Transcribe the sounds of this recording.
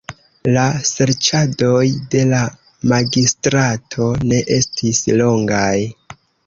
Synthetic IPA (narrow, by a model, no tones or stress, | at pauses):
lase̞ɾt͡ʃado̞jde̞la | maɡistɾatʰo̞ne̞ʔe̞stislo̞ŋɡaj